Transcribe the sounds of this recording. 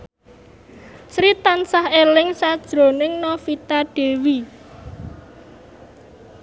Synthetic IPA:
sɾit̪ansahelɪŋsad̥ʒ̥ɾo̤nɪŋnɔfit̪aɖ̥e̤wi

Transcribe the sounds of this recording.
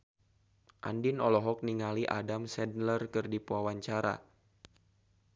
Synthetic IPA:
ʔa̰ndɪnɔlɔɦɔk̚niŋaliʔa̰damsɛdnlərkɨrdipuawaɲt͡ʃaɾa̰

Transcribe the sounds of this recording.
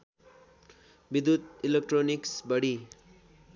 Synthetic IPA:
bid̪ut̪ilekʈroniksbʌɽi

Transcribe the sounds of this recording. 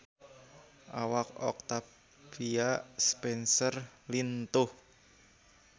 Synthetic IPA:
ʔawak̚ɔ̰k̚t̪a | biaspɛnsərlint̪ʊh

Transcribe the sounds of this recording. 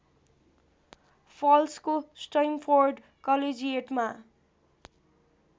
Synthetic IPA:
pʰʌlskosʈajmfʰorɖ | kʌled͡zieʈma

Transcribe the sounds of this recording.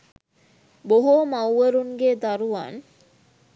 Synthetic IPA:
boɦoːmawʋəɾuŋɡeːd̪aɾuʋa̰n

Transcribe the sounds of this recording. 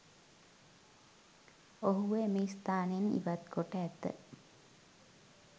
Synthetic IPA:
oɦuʋemeist̪aːnenḭʋat̪koʈəːt̪ːə̰

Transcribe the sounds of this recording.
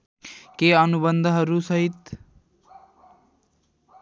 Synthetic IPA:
keənubənd̪ʱɦʌɾusʌɦit̪

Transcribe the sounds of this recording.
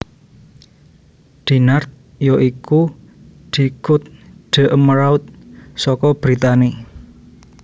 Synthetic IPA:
d̪̥i̤nart̪̚ | joʔiku | d̪̥i̤kʊt̪̚ɖ̪̥ə̤ʔəmɾawt̪̚sɔkɔb̥ɾit̪ani

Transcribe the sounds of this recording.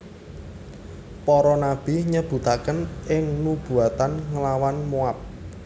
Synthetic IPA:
pɔɾɔnab̥i̤ɲəb̥ṳt̪akənɪŋnub̥ṳat̪anŋəlawanmuap̚

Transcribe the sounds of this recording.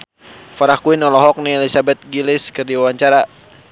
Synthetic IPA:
faɾakuinɔlɔɦɔk̚niɛlisabɛt̪̚ɡilɪskərdiawaɲt͡ʃaɾa

